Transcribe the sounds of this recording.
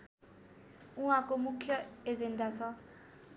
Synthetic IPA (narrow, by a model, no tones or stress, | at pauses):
ũɦãkomukʰjʌed͡zendat͡sʰʌ